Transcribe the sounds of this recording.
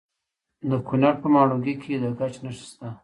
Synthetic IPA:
d̪əkunaɾpəmɑɽoɡikʰed̪əɡat͡ʃnaʃi̥st̪a

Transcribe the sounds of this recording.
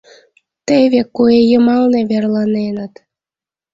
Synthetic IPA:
t̪eβekuejəmɑlneβerlɑnenə̆t̪

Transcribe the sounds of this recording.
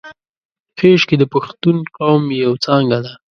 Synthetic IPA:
xeʃked̪əpaxt̪unqawmjawt͡sɑŋɡad̪a

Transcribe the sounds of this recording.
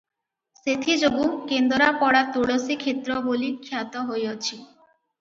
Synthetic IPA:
set̪ʰid͡ʑoɡukend̪oɾapɔɽat̪uɽosikʰet̪ːɾɔbolikʰːjat̪ɔɦojot͡ɕʰi

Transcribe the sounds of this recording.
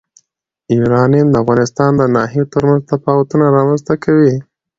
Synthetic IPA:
iɾɑnimd̪əafɣɑnɪst̪ɑnd̪ənɑɦijot̪əɾmanzt̪apɑwat̪unaɾɑmanzt̪akʰawi

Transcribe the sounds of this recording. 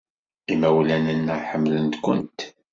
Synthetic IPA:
imæwlænənːəħəmːlənt̪kʷʊ̰nt̪

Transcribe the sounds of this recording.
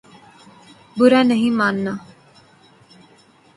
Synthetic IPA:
bʊɾaːnəɦĩːmaːnːaː

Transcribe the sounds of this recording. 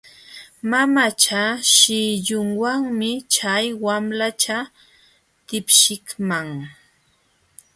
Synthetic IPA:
mamat͡ʃaʃɪʎʊŋwaŋmɪt͡ʃajwamlat͡ʃa | t̪ɪpʃɪkmaŋ

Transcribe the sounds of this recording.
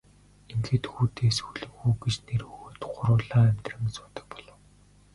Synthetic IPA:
enxɘ̆t̪xuːt̪eːsxuɮɘ̆ŋxuːɡet͡ɕnerxut̪ɢʊɾʊːɮaːæmʲt̪rə̆msʊ̥ːt̪ə̥̆k̚pɔɮə̆w

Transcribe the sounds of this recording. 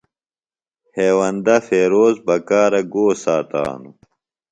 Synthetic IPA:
heːwɐnd̪ɐfeːɾoːzbɐkaːɾɐɡoːsaːt̪a̰ːnu

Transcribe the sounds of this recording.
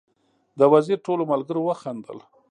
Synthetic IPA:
d̪əwaziɾʈolomalɡəɾowəxand̪ə̰l

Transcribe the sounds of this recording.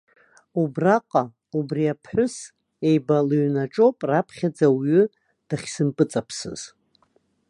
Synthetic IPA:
ubraqʼa | ubriapʰħʷʊs | e̞jbalɥnaʈ͡ʂʼopʼrapʰχʲad͡zawɥʏ | d̥aχʲsɨmpʼɨt͡sʼapʰsɨ̰z̥

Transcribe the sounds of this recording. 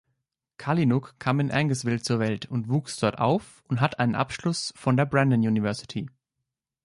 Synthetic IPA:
kʰalinʊkʰːaːmɪnʔɛŋɡəsv̥ɪlt͡suːɐvɛltʊntv̥uːksd̥ɔɐta̰ʊf | ʊntɦatʔaɪnənʔapʃlʊsfɔndeːɐbʁandənjuːnivɛɐsɪ̥tʰi

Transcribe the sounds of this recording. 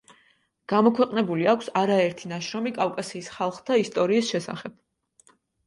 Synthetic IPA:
ɡ̥amɔkʰwɛqʼnɛbuliakʰsaɾaɛɾt̪ʰinaʃɾɔmikʼavkʼasiːsχalˠχt̪ʰaist̪ʼɔɾiːsʃɛsa̰χɛb̥̚

